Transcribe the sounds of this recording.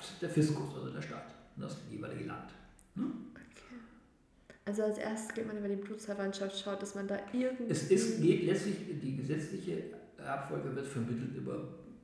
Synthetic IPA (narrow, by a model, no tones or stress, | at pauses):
sɪsd̥eːɐfɪskʊsʔozodeːɐʃta̰tnəsd̥ijeːva̰ɪlɪ̰ɡə̰la̰nt | nəʔokʰe̥ː | ʔalzoalsʔḛːɐstə̥sɡ̥etmanyːbɐdiːbluːt͡sfɛɐvantʃaftʃaʊt̚d̥asmandaːʔʔɪɐɡŋ̩tɛsɪstɡ̥eːtlɛt͡stlɪçdiːɡəzɛt͡slɪçə | ʔapfɔlɡəvɪɐtfɛɐmɪtl̩tʔy̰ːbɐ̰